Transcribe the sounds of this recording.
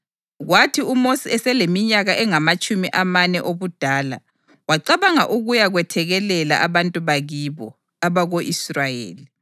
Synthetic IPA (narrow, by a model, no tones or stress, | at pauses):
ɣwatʰiumosiɛsɛlemiɲaɣaʔɛŋamat͡ʃʼumiʔamanɛʔoβud̥ʱaːla̰ | waǃaβaŋaʔuɣujaɣwɛtʰɛɣɛlɛla̰ʔaβantʼuβaɣiβɔ | aβaɣoʔisrajḛːli